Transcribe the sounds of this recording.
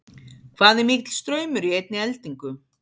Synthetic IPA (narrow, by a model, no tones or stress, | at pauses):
kʰvaːðɛɾmikt̪l̥st̪ɾœːɥmʏɾiejt̪nɪɛlt̪iŋkʏ